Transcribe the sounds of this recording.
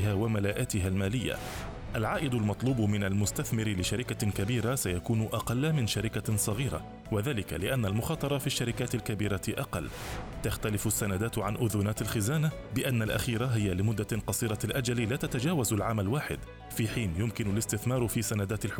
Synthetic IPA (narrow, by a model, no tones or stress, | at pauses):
haːwamalaːʔaːt̪ɪɦalmaːlɪjːa̰ | ʔalʕaːʔɪd̪ʊlmɑt̪ˤluːbmɪnalmʊst̪aθmɪɾɪlɪʃaɾɪkakabiːɾasajakuːnʊʔɑqɑlːamɪnʃaɾɪkasˤɑɣiːɾa̰ | waðaːlɪka̰lɪʔanːalmʊxɑːt̪ˤɑɾˤɑfiʃːaɾɪkaːt̪ɪlkabiːɾaʔɑqɑ̰lːt̪axt̪alɪfʊsːanad̪aːt̪ʕanʔʊðʊnaːt̪alxɪzaːna | bɪʔanːalʔa̰xiːɾaɦɪjːalɪmʊd̪ːaqɑsˤiːɾˤɑlʔad͡ʒalilaːt̪at̪ad͡ʒaːwazalʕaːmalwaːħɪ̰d̪ | fiːħiːnjʊmkɪnʊlɪst̪ɪθmɑːɾˤfiːsanad̪aːt̪ɪlħ